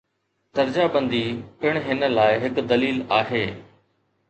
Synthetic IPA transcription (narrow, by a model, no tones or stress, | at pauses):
t̪ɐɾd͡ʑabɐ̃nd̪ipɪɽ̃ɦɪnə̆laːɪɦɪkd̪ɐliːlaːɦeː